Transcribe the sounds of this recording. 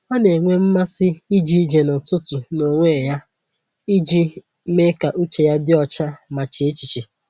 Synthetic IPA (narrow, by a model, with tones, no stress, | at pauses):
ɔ˦ne˨ŋʷe˦m̩˦ma˦sɪ˦i˦d͡ʒi˦d͡ʒe˨nʊ˨tʊ˦tu˨no˨ŋʷeː˦˨ja˦ | i˦d͡ʒi˦ | me˦ka˨ʔu˦t͡ʃe˨ja˦dɪ˦ɔ˦t͡ʃa˦ma˨t͡ʃɪ˨e˦t͡ʃi˨t͡ʃi˨